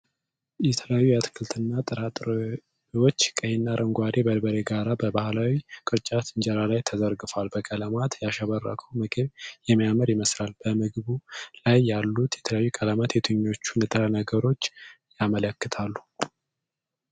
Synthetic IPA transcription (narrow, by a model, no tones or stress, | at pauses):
jɛt̪ʰələjajːujat̪ʰkʰɨlt̪ʰɨnːat̪ʼɨɾat̪ʼɾ | wo̞t͡ʃːkʼəhenːaɾʔəŋɡʷwaɾebəlbəɾe̞ɡaɾabəbahlawikʼɨɾt͡ʃʼat̪ʰɨnd͡ʒɛɾalajt̪ʰəzəɾɡɨfalbəkʼələmat̪jaʃaβərːa̰kʰəwmɨɡɨβjɛməjaməɾjɪməslalb̥əmɨɡβulajːalːut̪jɛt̪ʰələjajːukʼəlamat̪ʰet̪ʰuɲːo̞t͡ʃːunɨt̪ʼɾanəɡəɾo̞t͡ʃːjamələkːɨt̪ʰalːu̥